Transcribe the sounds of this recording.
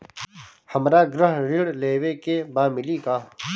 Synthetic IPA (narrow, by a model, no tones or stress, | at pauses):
həmɾaːɡɾəɦɾiɽleːwekebaːmɪlikaː